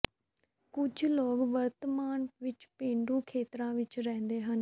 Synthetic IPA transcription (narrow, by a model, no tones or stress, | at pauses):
kʊd͡ʒʱloːɡʋəɾt̪əmaːnʋɪt͡ʃpẽːɳɖuːkʰeːt̪ɾãːʋɪt͡ʃɾɛ̃ːnd̪eːɦən